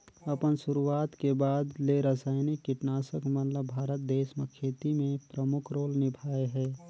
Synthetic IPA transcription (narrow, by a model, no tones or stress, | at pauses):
əpənsʊɾuaːt̪kebaːd̪leɾəsaːɪnikːɪʈnaːsəkmənləbbʱaːɾət̪̚d̪eːsmekʰeːt̪imẽpɾəmʊkʰɾoːlnɪbʱaːeɦɛː